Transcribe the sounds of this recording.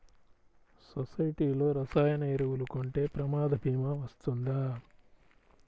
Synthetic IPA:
sosɐjiʈiːlo̞ːɾɐsaːjɐnɐːɾɐwulukoɳʈe̞ːpɾɐmaːd̪ɐbʱiːmaʋɐst̪und̪aː

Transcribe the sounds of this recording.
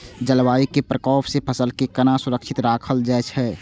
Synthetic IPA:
d͡ʒəlʋaːikepɾəkɔːpsepʰəsəlkekənasʊɾəkʃʰɪt̪ɾaːkʰəld͡ʒɛːt͡ʃʰɦɛː

